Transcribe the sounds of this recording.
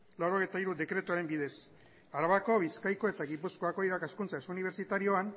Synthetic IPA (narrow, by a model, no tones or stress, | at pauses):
lawɾo̞ɣ̞ejt̪aiɾuðe̞kɾe̞t̪uaɾe̞mbiðe̞s | aɾaβako̞β̞iskajko̞e̞t̪aɣipusko̞ako̞iɾakaskunt͡saesuuniβ̞e̞ɾt͡ʃit̪aɾio̞an